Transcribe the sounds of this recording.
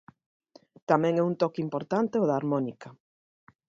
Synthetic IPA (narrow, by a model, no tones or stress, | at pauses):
t̪amɛ̃ŋɛunt̪ɔkimpoɾt̪ant̪eʊðaːɾmɔnikɐ